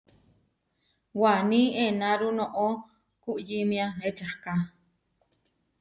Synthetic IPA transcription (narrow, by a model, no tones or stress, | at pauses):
wanienaɾunoʔo | kuʔjimjaet͡ʃahka